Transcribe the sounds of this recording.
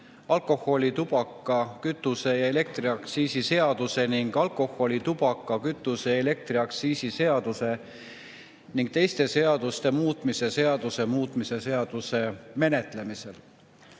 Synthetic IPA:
ɑlko̞ho̞lʲit̪ub̥ɑkˑːɑkyt̪ːˑuse̞jɑe̞le̞k̚t̪riɑksiːsise̞ɑd̪̥use̞niŋɡ̥ɑlko̞ho̞lʲit̪ub̥ɑkˑːɑkyt̪ːˑuse̞ele̞k̚t̪riɑksiːsise̞ɑd̪use̞ | niŋɡ̥̚t̪e̞jst̪e̞se̞ɑd̪̥ust̪e̞muːt̪ˑmise̞se̞ɑd̪̥use̞muːt̪ˑmise̞se̞ɑd̪̥use̞me̞ne̞t̪lemise̞l

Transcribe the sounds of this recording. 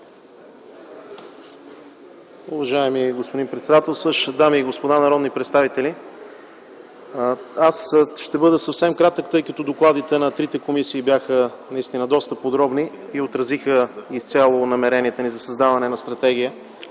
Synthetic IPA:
ʊvɐʒaɛmiɡospod̪inpɾɛt̪sɛd̪at̪ɛlˠsəʃd̪amiːɡospod̪anɐɾɔd̪nipɾɛt̪st̪avit̪ɛli | asʃt̪ɛbɤd̪əsɐfsɛmkɾat̪əkt̪ɤjkɐt̪ɔd̪oklˠad̪it̪ɛnɐt̪ɾit̪ɛkomisiːbjaxənɐist̪inəd̪ɔst̪əpod̪ɾɔbni | iot̪ɾɐzixəist̪sʲalˠonɐmɛɾɛniɛt̪ənizɐsɐzd̪avɐnɛnɐst̪ɾɐt̪ɛɡ̟ʲijə

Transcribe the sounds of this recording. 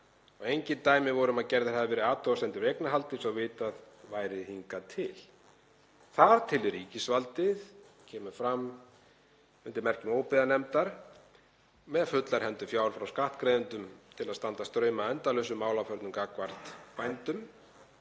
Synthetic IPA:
ɔɣejɲcɪnt̪aːjmɪvɔɾʏmaðcɛɾðaɾ̥haðavɛːɾɪaːt̪ʰɔasɛnt̪ʏɾejknaɦalt̪ɪsɔvɪːt̪að | vaːjɾɪðhiŋkat̪ʰɪl | θaðt̪ʰɪlriːcɪsvalt̪ɪð | cʰɛːmʏfɾam | ʏnt̪ɪɾmɛr̥cɪmoːwpɪðanɛmt̪aɾ̥ | mɛðfʏt̪laɾ̥hɛnt̪ʏfjaːwɾfɾawskaht̪kɾeːðʏnt̪ʏmt̪ʰɪlaðst̪ant̪ast̪ɾœːɥmaɛnt̪alœɥsʏmːaːwlawfœɾt̪nʏmkaːkvar̥t̪pajnt̪ʏm

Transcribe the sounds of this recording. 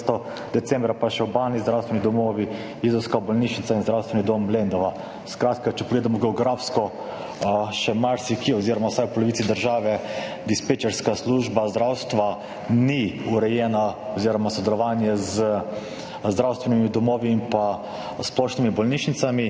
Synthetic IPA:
st̪ɔ | d̪̥ɛsɛmbɾapaʃɛwbaːlnizd̪ɾawst̪ʋɛnid̪ɔmoːʋi | izɔwskabɔlniʃnit̪sainzd̪ɾawst̪ʋɛnid̪omblend̪ɔʋa | skɾaːt̪kat͡ʃɛpɔɡleːd̪amɔɡɛɔɡɾafskɔ | ʃɛmaɾsikiɔziːɾɔmawsajwpɔlɔʋit̪sid̪əɾʒaːʋɛ | d̪ispet͡ʃɛɾskasluʒbazd̪ɾawst̪ʋa | niuɾɛjɛːnaɔziːɾɔmasɔd̪ɛlɔʋaːnjɛzə | zd̪ɾawst̪ʋɛnimid̪ɔmoːʋiːmpa | splɔʃnimibɔlniʃnit̪sami

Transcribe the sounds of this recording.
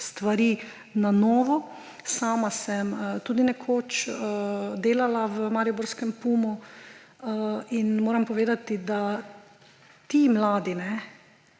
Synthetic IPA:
st̪ʋaɾi | nanɔːʋɔ | saːmasɛmt̪uːd̪inɛkʰoːt͡ʃː | d̪eːlalaʋəmaɾiobɔɾskɛmpumu | inmoːɾampɔʋeːd̪at̪id̪a | t̪imlaːd̪inɛ

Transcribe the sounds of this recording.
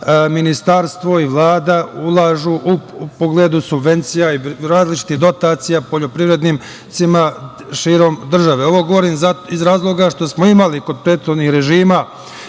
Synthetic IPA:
minist̪aɾst̪ʋo̞iʋlˠaːd̪aulˠaːʒuːʔupoɡled̪usubʋe̞nt̪sijaiɾaːzlit͡ʃi̥t̪iɦd̪o̞t̪aːt̪sijapo̞ʎo̞pɾiʋɾe̞d̪niːm | t̪sima | ʃiːɾo̞md̪r̩ʒaʋe̞o̞ʋo̞ɡo̞ʋoɾiːmzaizɾaːzlˠo̞ɡaʃt̪o̞smoimaliko̞d̪̚pɾe̞ːd̪t̪xod̪nihɾe̞ʒiːma

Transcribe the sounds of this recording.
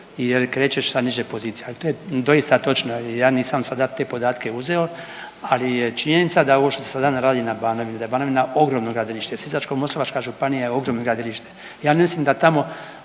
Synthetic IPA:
ijeɾkɾe̞ːt͡ʃeʃsaniʒepo̞ziːt̪sijealit̪oːjed̪o̞ist̪at̪o̞t͡ʃnoijaːniːsamsad̪at̪e̞po̞d̪aːt̪ke̞uze̞o | alijet͡ʃiɲenit̪sad̪ao̞ʋo̞ʃt̪o̞sesad̪anaɾaːd̪inabaːno̞ʋined̪aebaːno̞ʋinaʔo̞ɡɾo̞mnoɡɾaːd̪iliʃt̪eesizat͡ʃkomo̞slˠoʋat͡ʃkaʒupanijajeo̞ɡɾoːmnoɡɾad̪iliʃt̪e̥ | jaːnemislimd̪at̪amo̞

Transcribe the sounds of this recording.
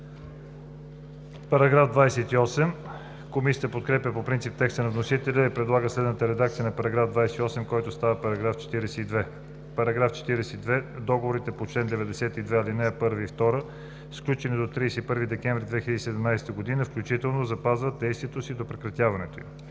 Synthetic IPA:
pɐɾɐɡɾafd̪vajsɛt̪iɔsɛm | komisʲiət̪əpot̪̚kɾɛpʲəpopɾint̪sip̚t̪ɛkst̪ənɐvnosit̪ɛlʲəipɾɛd̪lˠaɡəslɛd̪nət̪əɾɛd̪akt̪sijənɐpɐɾɐɡɾavd̪vajsɛiɔsɛmkɔjt̪ost̪avəpɐɾɐɡɾaft͡ʃɛ̥t̪iɾɛsɛid̪vɛ | pɐɾɐɡɾaft͡ʃɛ̥t̪iɾɛsɛid̪vɛd̪ɔɡovoɾit̪ɛpot͡ʃlɛnd̪ɛvɛd̪ɛsɛt̪id̪vɛalinɛɛpɤɾviːft̪ɔɾə | sklʲut͡ʃɛnid̪ot̪ɾiːsɛipɤɾvid̪ɛkɛ̃ɱvɾid̪vɛxiləd̪isɛd̪ɛmnajsɛ̥t̪əɡod̪inəfklʲut͡ʃit̪ɛlˠnozɐpazvət̪̚d̪ɛjst̪vʲiɛt̪osid̪opɾɛkɾɐt̪ʲjavɐnɛt̪oim

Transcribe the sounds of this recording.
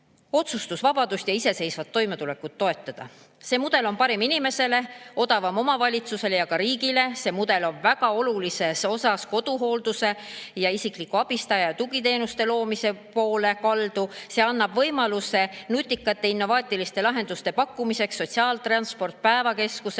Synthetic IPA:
o̞t̪sust̪usvɑb̥ɑd̪̥ust̪jɑise̞se̞jsvɑt̪ːo̞jme̞t̪ule̞kːˑut̪̚ːo̞e̞t̪ˑːɑd̪̥ɑ̰ | se̞ːmud̪̥e̞lo̞npɑɾiminʲime̞se̞le̞o̞d̪̥ɑvɑmo̞mɑvɑlʲit̪suse̞le̞jɑkɑɾiːɡile̞se̞ːmud̪̥e̞lo̞nvæɡ̥ɑo̞lulise̞so̞sɑsko̞d̪̥uɦo̞ld̪̥use̞jɑisiklikːˑuɑb̥ist̪ɑjɑjt̪uɡit̪eːnust̪e̞lo̞ːmise̞po̞ːle̞kɑld̪̥use̞ɑnːɑb̥vɤ̞jmɑluse̞nut̪ʲːˑikːˑɑt̪ˑːe̞inːo̞vɑːt̪ʲːˑilist̪e̞lɑɦe̞nd̪ust̪e̞pɑkːˑumise̞ksːo̞t̪siɑːlt̪rɑnspo̞rt̪̚pæevɑke̞skuse

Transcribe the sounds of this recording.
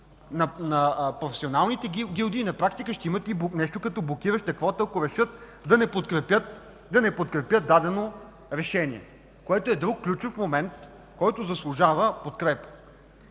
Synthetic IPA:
nɐnɐpɾofɛ̥sionalˠnit̪ɛɡʲilˠd̪iːnɐpɾakt̪ikəʃt̪ɛimət̪ibnɛʃt̪okɐt̪ɔblˠok̟iɾəʃt̪ɐkvɔt̪əɐkoɾɛʃɤt̪ | d̪ɐnɛpot̪kɾɛpʲjət̪ | d̪ɐnɛpot̪kɾɛpjət̪̚d̪ad̪ɛno | ɾɛʃɛniɛ̰ | koɛt̪oɛd̪ɾukːlʲut͡ʃofmomɛnt̪ | kɔjt̪ozɐslˠʊʒavəpot̪kɾɛpə̥

